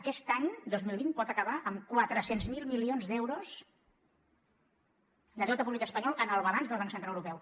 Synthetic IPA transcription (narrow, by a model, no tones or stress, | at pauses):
əkɛst̪aɲd̪ozmilˠβ̞inpɔt̪əkəβ̞aʔəmkwat̪ɾəsenzmilˠmilionzðɛwɾos | d̪əðɛwt̪əpuβlikəspəɲɔlˠənəlˠβəβanzðəlˠβaŋksənt̪ɾaəwɾupɛw